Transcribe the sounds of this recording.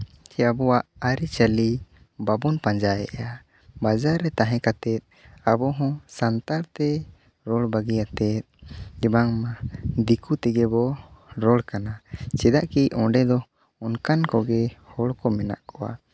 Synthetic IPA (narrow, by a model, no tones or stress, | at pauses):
t͡ʃɛabɔwaʔaɾit͡ʃali | babunpãɲd͡ʒajɛ̰ʔa | bad͡ʒaɾːɛt̪aɦɛ̃kat̪ɛt̪̚abɔɦɔ̃sant̪aɾt̪ɛ | ɾɔɭbaɡijat̪ɛt̪̚d͡ʒɛbaŋmad̪ikut̪ɛɡɛbɔɾɔɭkanat͡ʃɛd̪aʔkiɔ̃ɖɛd̪ɔ | ɔnkankɔɡɛhɔɭkɔmɛna̰ʔkɔwa̰